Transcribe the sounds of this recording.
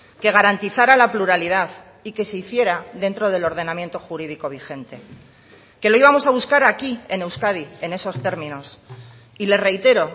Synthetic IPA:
ke̞ɣ̞aɾant̪iθaɾalapluɾaliðaθ | ike̞se̞iθje̞ɾaðe̞nt̪ɾo̞ð̞e̞lo̞ɾð̞e̞namje̞nt̪o̞xuɾið̞iko̞β̞ixe̞nt̪e̞ | ke̞lo̞iβamo̞saβuskaɾakie̞ne̞wskaðie̞ne̞so̞st̪e̞ɾmĩno̞s | ile̞re̞jt̪e̞ɾo̞

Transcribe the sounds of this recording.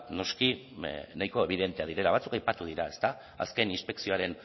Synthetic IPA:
no̞skinajko̞e̞β̞iðe̞nt̪e̞að̞iɾe̞laβat͡sukajpat̪uð̞iɾae̞st̪a | a̰ske̞ninspe̞ksioaɾe̞n

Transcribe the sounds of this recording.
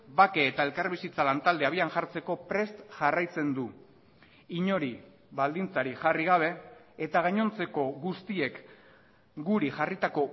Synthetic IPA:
bake̞ːt̪ae̞lkaɾβisit͡salant̪ald̪e̞aβ̞ianʝaɾt͡se̞ko̞pɾe̞st̪ʝarajt͡se̞nd̪u | iɲo̞ɾi | βald̪int͡saɾixariɣ̞aβ̞e̞et̪aɣ̞aɲo̞nt͡se̞ko̞ɣust̪ie̞k | ɡuɾiʝarit̪ako̞

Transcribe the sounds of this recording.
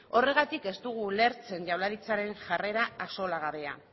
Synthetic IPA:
o̞re̞ɣ̞at̪ike̞st̪uɣ̞ule̞ɾt͡se̞nʝawlaɾit͡saɾe̞nʝare̞ɾaaso̞laɣ̞aβe̞a̰

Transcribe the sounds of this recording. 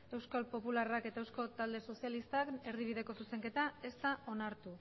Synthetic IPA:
e̞wskalpo̞pularake̞t̪aewsko̞t̪ald̪e̞so̞sjalist̪ake̞ɾðiβ̞iðe̞ko̞suse̞ŋke̞t̪ae̞st̪aʔo̞naɾt̪u

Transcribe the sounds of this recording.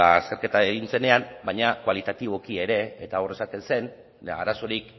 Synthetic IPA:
ase̞ɾke̞t̪aeɣinse̞ne̞ambajɲakwalit̪at̪iβo̞kie̞ɾe̞ːt̪ao̞re̞sake̞nse̞n | a̰ɾaso̞ɾik

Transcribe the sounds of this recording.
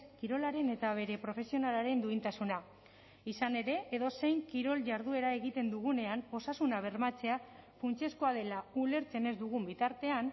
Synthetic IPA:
kiɾo̞laɾe̞ne̞t̪aβ̞e̞ɾe̞pɾo̞fe̞sio̞nalaɾe̞nd̪uint̪asuna | isane̞ɾe̞ʔeðo̞se̞jŋkiɾo̞lʝaɾðue̞ɾae̞ɣit̪e̞nd̪uɣune̞ano̞sasunaβ̞e̞ɾmat͡se̞afunt͡ʃe̞sko̞aðe̞laule̞ɾt͡se̞ne̞zd̪uɣ̞umbit̪aɾt̪e̞an

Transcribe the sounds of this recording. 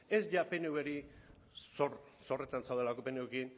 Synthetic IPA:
e̞zʝapenewβeɾi | soɾ | so̞re̞t̪ansawðelako̞penewekin

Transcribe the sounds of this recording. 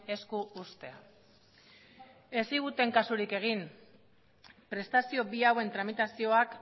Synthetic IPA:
e̞skuːst̪e̞a | e̞siɣ̞ut̪e̞ŋkasuɾike̞ɣ̞in | pɾe̞st̪asio̞biawe̞nt̪ɾamit̪asio̞ak

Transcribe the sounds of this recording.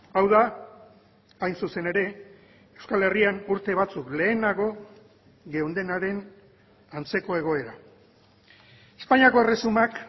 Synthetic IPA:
awða | ajnsuse̞ne̞ɾe̞ | ewskale̞rianuɾt̪e̞β̞at͡sukle̞ːnaɣo̞ | ɡe̞und̪e̞naɾe̞n | ant͡se̞ko̞e̞ɣ̞o̞e̞ɾa | e̞spaɲiako̞e̞re̞sumak

